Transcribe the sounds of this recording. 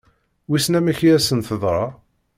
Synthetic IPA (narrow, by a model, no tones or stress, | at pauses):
wisnæmæçiæsənθəðˤɾˤɑ